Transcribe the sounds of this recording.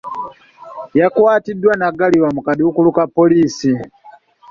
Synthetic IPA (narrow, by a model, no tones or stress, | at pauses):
jakuwatidwanaɡaliwam̩kaɗiukulukapɔliːsi